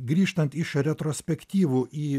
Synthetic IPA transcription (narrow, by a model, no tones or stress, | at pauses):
ɡɾʲiːʃt̪ɐnt̪ɪʃɾʲɛt̪ɾoːsʲpʲɛkt̪ʲiːʋuːʔiː